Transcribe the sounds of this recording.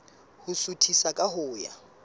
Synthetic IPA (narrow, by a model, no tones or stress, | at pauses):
hʊsutʰisakʼaɦʊːja̰